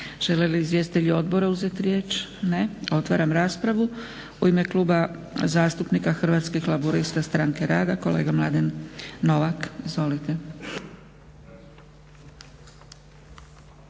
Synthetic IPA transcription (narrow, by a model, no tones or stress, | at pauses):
ʒ̥e̞leliːzʋje̞st̪it̪eʎuo̞d̪boɾauze̞t̪ɾje̞ːt͡ʃne̞o̞t̪ʋa̰ːɾamɾaːspɾaʋu | uime̞klˠuːba | zaːst̪upnikaxr̩ʋaːt̪skixlˠabuɾist̪ast̪ɾaŋke̞ɾaːd̪ako̞le̞̰ːɡamlˠad̪enːo̞ʋakizʋo̞lit̪e̞